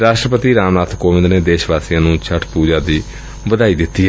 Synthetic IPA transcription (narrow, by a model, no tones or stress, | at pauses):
ɾaːʃʈɾəpət̪iːɾaːmnaːt̪ʰkoːʋɪ̃nd̪neːd̪eːʃʋaːsijãːnũːt͡ʃʰəʈʰpuːd͡ʒaːd̪iː | ʋəd̪aːiːd̪ɪt̪ːiː